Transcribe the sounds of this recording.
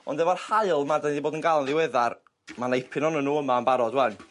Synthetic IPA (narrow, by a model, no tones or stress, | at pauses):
ɔ̰ndɛvarhaɨlˠmardandiboːdənɡalˠnðɪwɛðar | manejpʰɪnɔnənuːəmaənmbaɾɔdwɛn